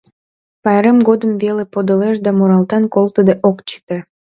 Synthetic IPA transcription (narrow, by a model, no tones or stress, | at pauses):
pɑjɾemɡod̪əmvelepod̪əleʃ̬d̪ɑmuɾɑlt̪ɑnkolˠt̪əd̪eʔokt͡ɕə̥t̪e